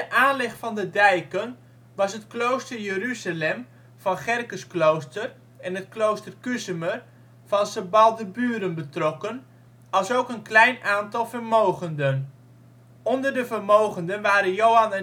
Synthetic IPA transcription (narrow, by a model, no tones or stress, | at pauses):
dəʔaːnlɪχtfɑndədɛjkən | ʋɑsətklowstərjəryzalɛm | vɑnχɛrkəsklowstər | ɛnət̚klowstərkysəmər | fɑnsəbɑlˠdəbyːɾənbətrɔkən | ɑlˠsowkənklɛjnʔaːntɑlˠvərmowχəndən | ɔndərdəvərmowχəndənʋaːɾənjowanə